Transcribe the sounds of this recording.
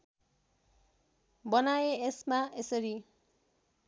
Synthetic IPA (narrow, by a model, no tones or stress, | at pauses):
bʌnajeesmaesʌɾi